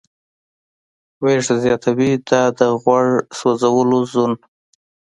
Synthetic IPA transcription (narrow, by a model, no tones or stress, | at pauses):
weʐzjɑt̪ʰawid̪ɑd̪əɣwaɽsozawəlozon